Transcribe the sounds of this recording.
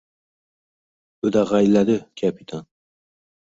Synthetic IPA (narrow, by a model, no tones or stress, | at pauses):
ɵd̪aʁajlad̪ɪkʲʰapʰit̪ʰan